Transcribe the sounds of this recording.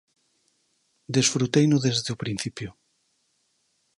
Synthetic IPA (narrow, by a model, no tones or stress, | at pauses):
d̪esfɾut̪ejnʊðezðeʊpɾin̟θipjʊ